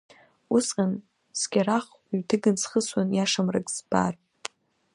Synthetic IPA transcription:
ʊsqʲʼan | skʲʼaɾaχ | ɥtʰɨɡɨnsχəswanjaʂamrɨkʼz̥b̥a̰r

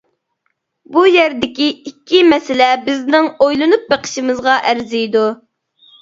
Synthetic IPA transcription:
bujɛɾd̪ɪkʲiikʲʰːimɛsɪlɛbɪznɪŋojlˠɨnup̚beqʰə̥ʃimɨzʁɑʔæɾzijd̪u

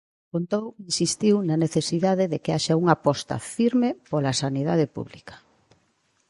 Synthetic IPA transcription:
kont̪owinsist̪iwnɐneθesiðaðeðekeaʃauŋapɔst̪ɐ̰fiɾmepolasaniðað̞epṵβlikḁ

